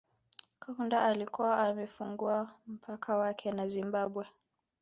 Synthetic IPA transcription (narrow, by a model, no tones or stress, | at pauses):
kaundaʔalikuwaʔːmɛfuŋɡuam̩pʰakʰawakʰɛnazimbaɓwɛ